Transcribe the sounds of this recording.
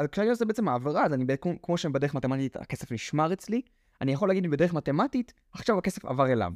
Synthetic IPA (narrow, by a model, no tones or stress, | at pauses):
alkajozebeet͡semaːvaʁazanibkkmo̞ʃebedeeχmat̪ematita̰kesefniʃmaʁet͡sli | anijaχolːaɡidmimbede̞eχmatematit | aχʃavake̞sefa̰vaʁela̰m